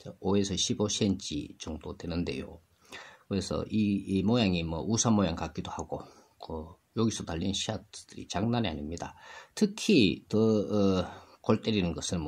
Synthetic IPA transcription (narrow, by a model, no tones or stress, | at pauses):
t͡ɕaoesʰʌɕʰiboɕʰient͡ɕ͈ḭt͡ɕuŋdotwe̞nɯnde̞̰jo̰ | kɯɾe̞sʰʌ̰ʔimojaŋimwʌ̰ʔusʰamojaŋkak͈idohaɡo | kʌ | joɡisʰʌtaʎːinɕʰiad̥ɯɾḭt͡ɕaŋnaɲia̰ɲimɲidatʰɯkʰitɯ | koɭt͈eɾinɯnɡʌsʰɯɭm